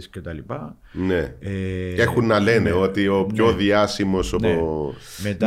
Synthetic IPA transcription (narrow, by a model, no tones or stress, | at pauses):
scet̪ɐlipɐ | ne̞ | exunːɐle̞ne̞o̞t̪io̞pço̞ðiɐsimo̞sopomet̪